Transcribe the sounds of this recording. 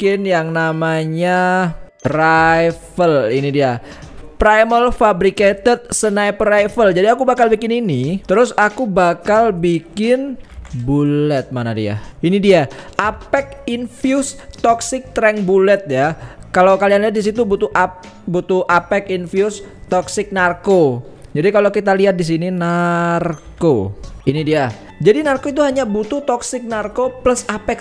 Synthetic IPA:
kɪnjaŋnamaɲa | rajfəlinidia | pɾajməlfabɾiket̪ɛt̪̚sənajprajfəld͡ʒadiakubakalbikɪninit̪əɾʊsakubakalbikɪnbullɛt̪̚mana̰dḭa̰inidiaʔapɛkinfjust̪ɔksɪk̚t̪ɾɛŋbulɛt̪̚jakalawkalianliat̪̚dis̬it̪ubut̪uʔa | but̪uʔapɛkinfiust̪ɔksɪk̚narkod͡ʒadikalokit̪aliɦat̪̚dis̬ininarkoinidia | d͡ʒadinarkoit̪̬uɦaɲabut̪ut̪ɔksɪk̚narkopləsapɛk

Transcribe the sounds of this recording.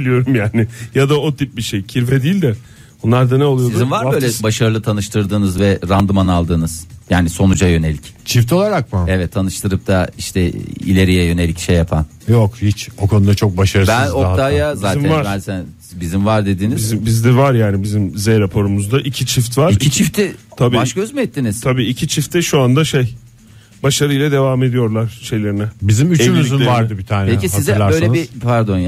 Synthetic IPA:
ilʲijoɾumjaːnɪjad̪aot̪ʰip̚biʃejcʰiɾvɛd̪iːilʲd̪ɛ | onlˠaɾd̪anɛolˠujosizimvaɾbøːlʲɛbaʃaɾɯlˠɯt̪ʰanɯʃt̪ɯɾd̪ɯːnɯzvɛɾand̪ɯmanalˠd̪ɯːnɯz̥jaːniso̞nud͡ʒajø̞ne̞lʲict͡ʃʰift̪ʰo̞lˠaɾak̚maɛvɛt̪ʰːanɯʃt̪ʰɯɾɯp̚t̪ʰaiʃt̪ʰɛḭlʲe̞ɾijɛjø̞ne̞lʲicʃejːapʰa̰n | jokhit͡ʃo̞kʰo̞nud̪at͡ʃʰo̞k̚baʃaɾɯsbænok̚t̪ʰaːjazaːævaɾænsæn | bizimvaɾd̪e̞d̪iːniizbizd̪ɛvaɾjaːnibizimzeɾapʰo̞ɾumuzd̪aʔicʰit͡ʃʰift̪vaɾicʰit͡ʃʰift̪ʰit̪ʰabiːbaʃkʰaøzmyɛt̪ːiniz̥t̪ʰabiːicʰit͡ʃʰift̪ʰɛʃuand̪aʃej | baʃaɾɯjlˠad̪e̞vame̞d̪ijo̞ɾlˠaɾ̥ʃe̞jlʲe̞ɾinɛbizimyt͡ʃymyynvaɾd̪ɯbit̪ʰaːnɛcisizɛlʲˠaɾø̞jlʲenipʰaɾd̪o̞nj

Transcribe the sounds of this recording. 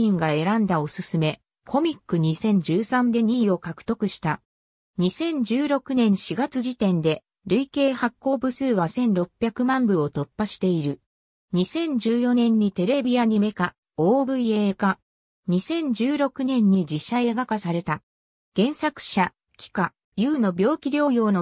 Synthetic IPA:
ĩŋɡae̞ɾãnd̪ao̞sɨsɨme̞ | kʰo̞mʲikːɯ̟ɲ̟isẽ̞ɲ̟d͡ʑɨːsãnd̪e̞ɲ̟iːo̞kakɯ̟̥t̪o̞kɯ̟ɕi̥t̪a | ɲ̟isẽ̞ɲ̟d͡ʑɨːɾo̞kɯ̟nẽ̞ɰ̃ɕiɡat͡sɨʑit̪ẽ̞nd̪e̞ | ɾɯ̟ike̞ːhakːo̞ːbɯ̟sɨːβasẽ̞nɾo̞pʲːjakɯ̟mãmbɯ̟o̞t̪o̞pːaɕi̥t̪e̞iɾɯ̟ | ɲ̟isẽ̞ɲ̟d͡ʑɨːjo̞nẽ̞ɲ̟ːit̪e̞ɾe̞bʲiaɲ̟ime̞ka | o̞ːbɯ̟ieːka | ɲ̟isẽ̞ɲ̟d͡ʑɨːɾo̞kɯ̟nẽ̞ɲ̟ːid͡ʑiɕae̞ɡakasaɾe̞t̪a | ɡ̥ẽ̞ɰ̃sakɯ̟̥ɕa | kʲi̥ka | jɯːno̞bʲjo̞ːkʲiɾʲo̞ːjo̞ːno

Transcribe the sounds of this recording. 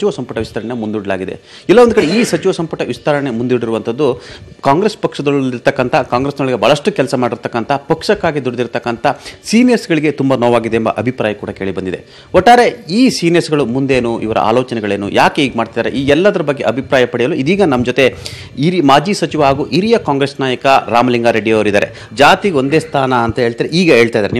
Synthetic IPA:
t͡ʃiʋɐsɐmpɐʈɐʋist̪ʰɐɾɐɳeemund̪uɽɐla̰ːɡid̪ḛ | ɛlːɐond̪ukɐɽeiːsɐt͡ʃiʋɐsɐmpuʈɐʋist̪ɐɾɐɳe̞mund̪uɽiɾuʋɐnt̪ʰɐd̪ːukaːŋɡɾespɐkʂɐd̪ɐɭiɾt̪ɐkːɐnt̪ʰɐkaːŋɡɾeːsnɐɭɡebʱɐːɭɐʂʈukɛlɐsɐmaːɽiɾt̪ɐkːɐnt̪ʰɐpɐkʂɐkːaːɡid̪uɽɐd̪iɾt̪ɐkːɐnt̪ʰɐsiːnesɡɐɭiɡe̞t̪umbɐnoːʋaːɡid̪eːmbɐ̰ʔɐbʱipɾaːjɐkuːɽɐke̞ːɭibɐnd̪id̪e̞̰ | ɦoʈːaːɾe̞iːsiːnesɡɐɭumund̪e̞ːnuʔḭʋɐɾʔɐ̰ʔa̰ːloːt͡ʃɐnɛɡɐɭeːnṵjʔaːkeiːɡɐmaːɽt̪ajd̪aːɾḛʔiːɛlːɐd̪ɐɾɐbɐɡːe̞ʔɐbʱipɾaːjɐpɐɽijɐluid̪iːɡɐnɐmːɐd͡ʒot̪e̞ | iɾimaːd͡ʒiːsɐt͡ʃiʋɐaːɡuːʔiɾijɐkaːŋɡɾesnaːjɐkɐɾaːmɐliŋɡaːɾe̞ɖijɐʋɾid̪aːɾe̞̰ | d͡ʒaːt̪io̞nd̪eːst̪ʰaːnɐɐnt̪ɐɦeːɭt̪iːɾeʔiːɡɐɦe̞ːɭt̪aːjd̪aɾeni

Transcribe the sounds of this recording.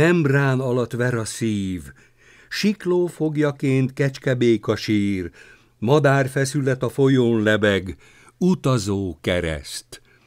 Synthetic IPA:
ɛmbraːnɒlɒt̪ʋɛɾɒsiːv | ʃikloːfo̞ɡjɒkeːnt̪kɛt͡ʃkɛbeːkɒʃiːr | mɒd̪aːrfɛsylɛt̪ɒfo̞joːnlɛbɛɡ | ut̪ɒzoːkɛɾɛ̰st̪

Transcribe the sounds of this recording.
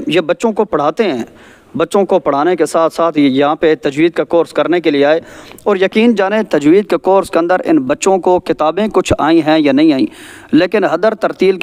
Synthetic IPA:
jebɐtːʃõkopɐɽ̤aːt̪eɦɛ̃ː | bɐtːʃõkopɐɽ̤aːnekesaːt̪ʰsaːt̪ʰjɐɦãpet̪ɐd͡ʒwiːd̪̚kekoːɾskɐɾnekelieaːeɔːɾjɐkiːnd͡ʒaːnet̪ɐd͡ʒwiːd̪̚kekoːɾskeɐ̃nd̪əɾɪ̰nbɐtːʃõkokɪt̪aːbẽkʊt͡ʃʰaːĩɦɛ̃janɐɦĩaːḭ̃ː | leːkɪnɦɐd̪əɾt̪ɐɾt̪iːlk

